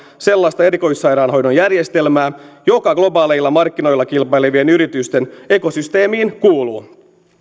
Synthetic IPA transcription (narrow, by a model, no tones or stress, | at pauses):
se̞lːɑst̪ɑe̞ɾiko̞jsːɑjɾɑːnɦo̞jnonjærjest̪e̞lmæːjo̞kɑɡ̥lo̞bɑːleilːɑmɑrkːino̞jlːɑkilpɑjleʋienyɾit̪yst̪e̞ne̞ko̞syst̪e̞ːmiːnkuːluː